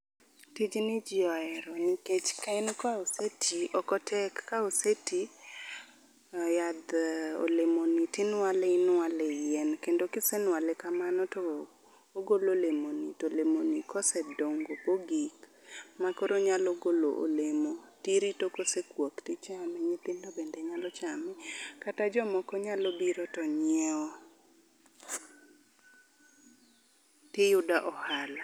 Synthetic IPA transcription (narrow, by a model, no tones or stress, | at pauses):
tid͡ʒnɪd͡ʒɪɔɛɾɔniket͡ʃkaɛnkaosetʰiɔkɔtʰɛkːaoseti | jad̪o̰lemonitɪnwalɛɪnwalejɛnkendokɪsɛnwalɛkamanɔtɔ | oɡololemonitolemonikɔsɛdoŋɡopoɡik | makoɾoɲalɔɡolo̰ʔo̰lemotiɾitokosekwoktɪt͡ʃamɛɲɪt̪ɪndobendɛɲalɔt͡ʃamɛkatad͡ʒɔmɔkɔɲalɔbiɾɔtɔɲɛɔ | tɪjʊdaʔɔhala